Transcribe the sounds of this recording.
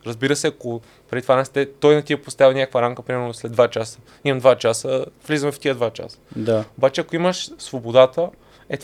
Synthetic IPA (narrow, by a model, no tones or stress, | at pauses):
ɾəzbiɾəsɛɐko | pɾɛd̪it̪ovanɛst̪ɛt̪ɔjnɐt̪iəpost̪avʲinʲakəkvəɾamkəpɾimɛɾnoslɛd̪vat͡ʃasə̥ | imɐmd̪vat͡ʃasəvlizəmɛft̪ijəd̪vat͡ʃa̰sə̥d̪aobat͡ʃɛɐkoiməʃsvobod̪at̪ə | ɛt̪